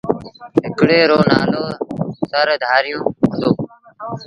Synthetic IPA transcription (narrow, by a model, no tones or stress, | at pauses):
ɦɪkɽeːɾoːnaːloːsəɾd̪ʱaːɾɪjõːɦʊ̃nd̪oː